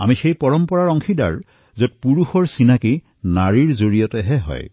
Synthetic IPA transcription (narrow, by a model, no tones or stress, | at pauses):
a̰mixejpɔɹɔmpɔɹaɹɔŋxʰida̰ɹ | zɔt̚puɹuxɔɹsinaki | naɹiɹzoɹijɔtɛɦɛɦɔ̰j